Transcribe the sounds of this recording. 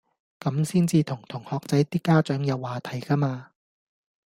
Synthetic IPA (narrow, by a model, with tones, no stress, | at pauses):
kɐ˨˥msiː˥nt͡siː˧t̪ʰʊ˨˩ŋt̪ʰʊ˨˩ŋhɔː˨k̚t͡sɐ˨˥jt̪iː˥kːaː˥t͡ʃœː˨˥ŋjɐ˨˧wːaː˨˧t̪ʰɐ˨˩jkaː˥maː˧